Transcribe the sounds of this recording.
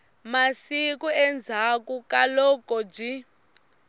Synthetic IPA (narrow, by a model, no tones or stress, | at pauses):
masikuɛnd͡zʱakukalɔkɔb͡ʐi